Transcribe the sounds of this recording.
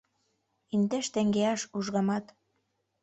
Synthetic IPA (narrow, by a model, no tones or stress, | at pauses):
ind̪eʃt̪ĕŋɡeɑʃuʒɣɑmɑt̪